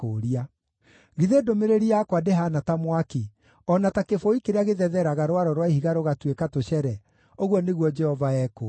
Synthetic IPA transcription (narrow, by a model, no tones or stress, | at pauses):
oɾia | ɣiðedomeɾeɾiakwadeɦanatamwaki | ɔnatakefoikeɾeaɣeðɛðɛɾaɣaɾwaɾɔɾwaihiɣaɾoɣatwekatoɕɛɾɛ | oɣwɔneɣwɔd͡ʒɛhɔvaɛko